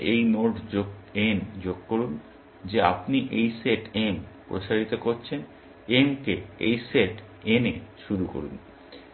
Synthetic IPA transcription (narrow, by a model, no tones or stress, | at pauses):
ʔejnoʈoɡend͡ʑoɡ̚koɾun | d͡ʑea̰pniʔejseʈempɾoʃaɾit̪okoɾt͡ɕʰen | emkeḛjseʈ | eneʃuɾuko̰ɾṵn